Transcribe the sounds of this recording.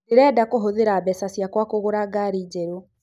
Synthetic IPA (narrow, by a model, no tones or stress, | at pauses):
neɾɛːdakoɦoðeɾabɛsasjakwakoɣoɾaɡaɾid͡ʑeɾo